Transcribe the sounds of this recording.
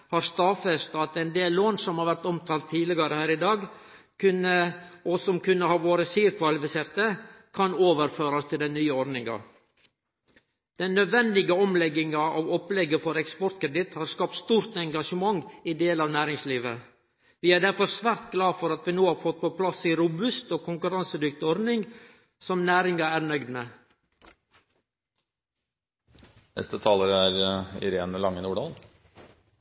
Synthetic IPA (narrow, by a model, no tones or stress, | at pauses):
hɑɾst̪ɑfɛst̪ɑt̪ɛnd̪eːlːoːnsɔmhɑɾʋæɾʈ̪ɔmt̪ʰɑːlt̪ʰːiːlɪɡɑɾəhæːɾɪd̪ɑːɡ | kʰʉnəʔɔsɔmkʉnːəhɑːʋoːɾəsiːɾkʋɑlbəsɛɾt̪əkʰɑnoːʋəɾføːɾɑst̪ʰɪld̪ɛnnyːəɔɾnɪŋɑ̰ | d̪̥ɛnːœd̪ʋɛnd̪ɪɡəɔmlɛɡɪŋɑʔɑ̰ʋɔplɛɡəfɔɾɛkspɔɾt̪kʰɾɛd̪ɪt̪hɑːɾskɑp̚t̪st̪uːɾt̪ɛŋɡɑʂəmɑŋːid̪eːlɑːʋnæːɾɪŋsliːʋə | ʋiːæːɖæɾfɔɾsʋæːɾt̪ɡlɑːfɔɾɑt̪ʋiːnoːhɑːɾfɔt̪̚pʰopʰlɑsiːɾʊbʉst̪oːkʰʊŋkʉɾɑnsəd̪ʏkt̪ɪɔɾnɪŋɡ | sɔmnæːɾɪŋɑæːɾnœʏd̪me | nɛ̰st̪ət̪ʰɑːləɾəæɾɪ̰ɾeːnəlɑŋːənuːɖɑːl